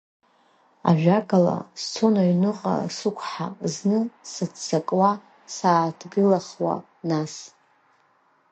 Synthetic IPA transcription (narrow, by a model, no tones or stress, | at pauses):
a̰ʒᶣakʼala̰st͡sʰo̞naɥnɨqʼa̰sɨkʷʰħaznɨsɨt͡st͡sʰakʼwa | saːtʰɡɨlaχwa̰ | nas